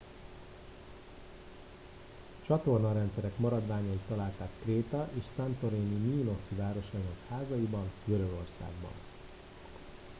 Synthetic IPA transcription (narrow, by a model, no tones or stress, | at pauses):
t͡ʃɒt̪o̞rnɒɾɛnt̪sɛɾɛkmɒɾɒd̪ʋaːɲɒit̪ːɒlaːlt̪aːkːreːt̪ɒʔeːʃsant̪o̞ɾeːniniuno̞sivaːɾo̞ʃɒinɒkhaːzɒjibɒnɡøɾø̞ɡo̞rsa̰ːɡ̚bɒ̰n